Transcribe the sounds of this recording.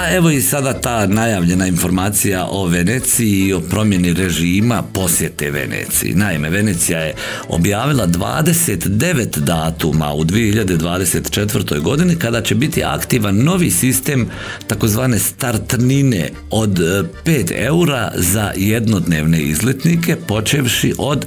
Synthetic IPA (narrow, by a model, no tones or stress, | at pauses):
ae̞ʋo̞isad̪at̪aːnajaːʋʎe̞nainfo̞ɾmaːt̪sijaʔo̞ʋe̞net̪sijiːo̞pɾo̞mjeniɾe̞ʒiːmapo̞sʋjet̪e̞̰ʋe̞̰nḛt̪sḭjḭnaime̞ʋe̞net̪sijaje | o̞̰bjaːʋilˠad̪ʋa̰ːd̪e̞se̞t̪d̪e̞ʋe̞t̪d̪aːt̪uma̰ud̪ʋije̞hiʎad̪e̞d̪ʋaːd̪e̞se̞t̪t͡ʃe̞t̪ʋərɾt̪o̞jɡo̞d̪inikad̪at͡ɕe̞bit̪ia̰kt̪iːʋanːo̞ʋiːsist̪e̞ːm | t̪ako̞zʋaːne̞st̪aɾt̪nine | o̞d̪peːt̪e̞̰uɾaza̰jed̪no̞d̪ne̞ʋne̞izlit̪nike̞po̞t͡ʃeʋʃiʔo̞d̪